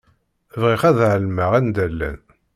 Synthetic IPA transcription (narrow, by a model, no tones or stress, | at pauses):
vʁiχæðʕəlməʁænd̪ælːæ̰n